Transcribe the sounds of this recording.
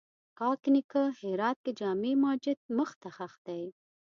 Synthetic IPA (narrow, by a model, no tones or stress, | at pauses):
kɑknikəheɾɑt̪̚ked͡ʒɑmemɑːd͡ʒɪt̪̚məxt̪axaxd̪aj